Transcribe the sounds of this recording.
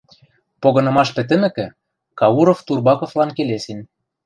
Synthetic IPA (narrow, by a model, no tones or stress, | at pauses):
poɣɤ̆nɤ̆mɑʃpɘ̆t̪̬ɘ̆mɘ̆kɘ̆ | kɑuɾoft̪urbɑkŏflɑnkelesen